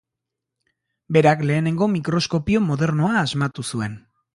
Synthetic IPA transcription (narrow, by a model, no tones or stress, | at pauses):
be̞ɾakle̞ːne̞ŋɡo̞mikɾo̞sko̞pio̞mo̞ðe̞ɾno̞aːzmat̪usue̞n